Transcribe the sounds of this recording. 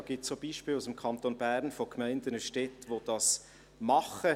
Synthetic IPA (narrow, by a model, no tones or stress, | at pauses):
ɡ̥iːtsoːb̥iːʃpiːlusɪmkʰɑntonbæʁnfokmæɪndənəʃtɛtʋod̥ɑs | mɑχə